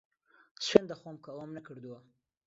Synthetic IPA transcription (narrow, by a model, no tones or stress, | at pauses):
swend̪axomkawamnakəɽd̪uwa